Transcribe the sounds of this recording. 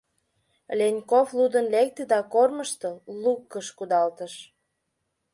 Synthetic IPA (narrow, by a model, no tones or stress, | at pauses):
lʲenʲkoflud̪ənlek̚t̪ed̪ɑkorməʃt̪ɤlukːəʃkud̪ɑlt̪əʃ